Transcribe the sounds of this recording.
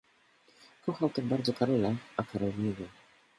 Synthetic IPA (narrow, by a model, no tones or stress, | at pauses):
kɔxawt̪abaɾd̪zɔkaɾɛlɛakaɾɛvlʲivʲɛ